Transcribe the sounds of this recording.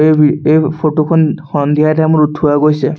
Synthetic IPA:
eiejpʰotokʰɔnxɔnd̪ʱiajtamʊɹutʰːuaɡojsɛ

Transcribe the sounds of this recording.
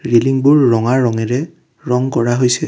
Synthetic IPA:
ɹiliŋbʊɹːɔŋaɹːɔŋɛɹɛ | ɹɔŋkɔɹaɦojsɛ

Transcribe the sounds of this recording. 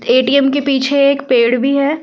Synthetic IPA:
eːʈiːɛmkepiːt͡ʃʰeeːkpeːɽbʱiɦɛː

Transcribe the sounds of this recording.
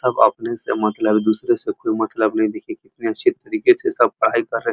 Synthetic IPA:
t̪ɐba̰pnesemɐt̪ləbd̪usɾesekoːimɐt̪ləbnɐĩd̪ekʰekɪt̪niɐʃʰit̪ɐɾiːket͡sʰesɐb̚pɐɽ̤aikɐɾːe

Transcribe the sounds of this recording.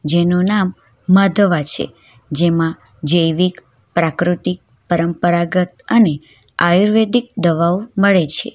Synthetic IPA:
d͡ʒenonamː | ad̪ʱəʋat͡ʃʰḛ | d͡ʒemã | d͡ʒəjʋik | pɾakɾut̪ik̚ | pəɾəmpəɾaɡət̪̚əne | ajuɾʋed̪ik̚d̪əʋawməɭet͡ʃʰḛ

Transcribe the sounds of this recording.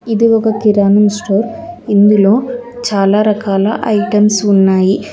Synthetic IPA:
iðiɔkɐkiɾaːnɐmsʈoːɾind̪iloːt͡ʃaːlaɾɐkaːlɐ̰ʔɐjʈɐmsunːaːji

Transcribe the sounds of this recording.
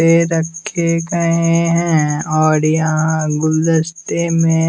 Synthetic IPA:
eɾɐkʰːekɐɦeɦɛ̃ɔːɾjɐɦãɡʊld̪əst̪emẽ

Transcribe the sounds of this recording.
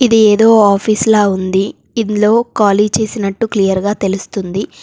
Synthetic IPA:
id̪ieːd̪o̞ːaːpʰiːslaːund̪i | inlo̞ːkaːliːd͡ʒt͡ʃe̞ːsinɐʈːuklijɐɾɡaːt̪e̞lust̪und̪i

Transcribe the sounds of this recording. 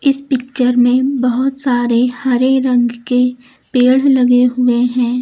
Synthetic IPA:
ɪspɪk̚t͡ʃəɾmẽbɐɦʊt̪saːɾehɐɾeɾɐ̃ŋɡke | peːɽ̤lɐɡeɦʊeɦɛ̃ː

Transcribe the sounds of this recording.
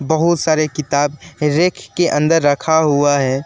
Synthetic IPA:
bɐɦʊt̪saːɾekɪt̪aːbɾeːkʰkeʔə̃nd̪əɾːɐkʰaɦuaɦɛː

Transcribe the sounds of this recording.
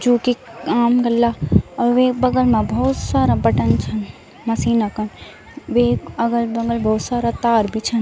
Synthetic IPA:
d͡ʒuːkiaːmɡɐlːaɔʋebɐɡəlmãbʱɔːt̪saːɾabɐʈənt͡ʃʰɐn | mɐsiːnakɐn | ʋeːɐɡəlbɐɡəlbʱɔːt̪saːɾat̪aːɾbʱit͡ʃʰɐn

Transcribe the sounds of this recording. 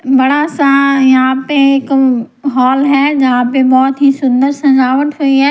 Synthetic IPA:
bɐɽasãjãpeɪk | ɦɔːlɦɛːd͡ʑɐɦãːpẽbɔːt̪ɦisʊ̃nd̪əɾsɐ̃md͡ʑaːʋəʈɦuiɦɛː

